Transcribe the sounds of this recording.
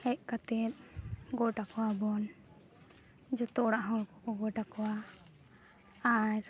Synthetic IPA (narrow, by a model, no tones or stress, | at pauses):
ɛt̪̚kat̪ɛt̪̚ɡɔʈakɔwabɔn | d͡ʒɔt̪ɔɽaʔɦɔ̃kɔkɔɡɔʈakɔwa | aɾ